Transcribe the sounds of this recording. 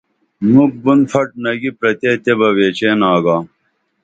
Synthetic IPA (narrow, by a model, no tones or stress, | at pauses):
muk̚bunpʰɐʈ̚nɐɡipɾɐt̪eːt̪ebɐweːt͡ɕeːnaːɡaː